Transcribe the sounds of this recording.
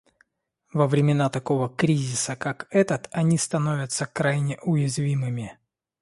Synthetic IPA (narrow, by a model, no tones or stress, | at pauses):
vəvɾʲɪmʲɪnat̪ɐko̞vəkɾʲizʲɪsəkakɛt̪ət̪ɐnʲist̪ɐno̞vʲət̪səkɾajnʲɪʔʊjɪzvʲimɨmʲɪ